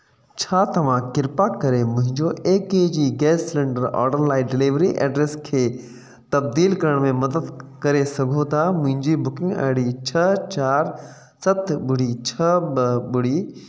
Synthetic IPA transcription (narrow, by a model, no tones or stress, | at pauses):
t͡ɕʰaːt̪ɐʋ̤ãkɪɾpakɐɾemʊ̃ɦɪ̃ɲd͡ʑoeːkeːd͡ʑiːɡɛːslɛ̃ɳɖəɾɔ̰ːɾɖəɾlaːiɖɪliːʋɾiʔɛ̰ːɖɾeːskʰeː | t̪ɐbd̪iːlkɐɾəɽ̃mẽmɐd̪əd̪kɐɾesɐɡʱot̪ʰamʊ̃ɦɪ̃ɲd͡ʑibʊkɪ̃ŋɡɐ̰ɦɽit͡ɕʰɐt͡ɕaːɾ | sɐt̪ʰɓʊɽ̤it͡ɕʰɐbəbʊɽiː